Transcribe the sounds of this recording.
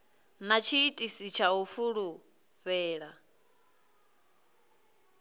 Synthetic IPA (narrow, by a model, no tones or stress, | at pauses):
nat͡ʃʰiːtʼisit͡ʃʰaɦufuɺu | ɸɛːɺa